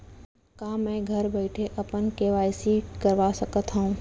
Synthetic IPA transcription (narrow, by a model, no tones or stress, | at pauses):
kaːmɛ̃ːɡʱɐɾbɛːɪʈʰeʔɐpənkeːʋaːjsikəɾʋaːsəkət̪ɦãũː